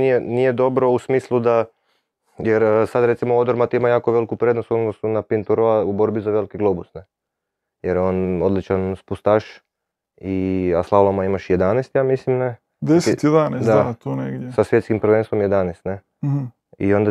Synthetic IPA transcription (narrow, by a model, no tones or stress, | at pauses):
nijenije̞d̪o̞bɾo̞usmiːslˠud̪a | jeɾsad̪ɾe̞t̪simood̪oɾmat̪iimajaːko̞ʋe̞likupɾed̪nost̪ond̪osunapint̪uɾoaubo̞ɾbizaʋe̞likiɡlˠobusne | jeɾjeo̞no̞d̪lit͡ʃanspust̪aʃ | iaslˠalˠomaimaʃjed̪anest̪jaːmislimne | d̪est̪jed̪aned̪adat̪oneɡd̪ʲjesasʋje̞t̪skimpɾʋenst̪ʋo̞mjed̪anest̪ne | ḭo̞nd̪a